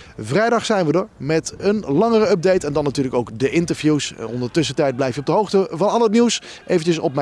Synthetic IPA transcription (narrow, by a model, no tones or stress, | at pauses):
vrɛjdɑχsɛjnʋədəɹmɛtənlɑŋərəœp̚dejtɛndɑnːatyːɹləkowkdəʔɪntəɹvjusɔ̰ndədətɵs̬ətɛjt̚blɛjfjɔbdəɦowχtəvɑnɑlˠətniws | ʔejvəncəsɔp̚mɛ